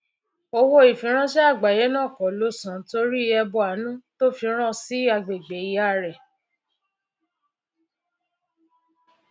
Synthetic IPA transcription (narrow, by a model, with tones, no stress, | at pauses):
o˧wo˧i˨fĩ˨˦ɾ̃ã˦ʃɛ˦a˦˨ɡ͡ba˨je˨˦nã˦˨kɔ˨lo˦sã˨to˧˦ɾi˦˧ɛ˧bɔ˧˦a˨˦nũ˦to˦fi˧ɾ̃ã˦si˦a˧ɡ͡be˨ɡ͡be˨˦˨i˨˦a˦˨ɾɛ˨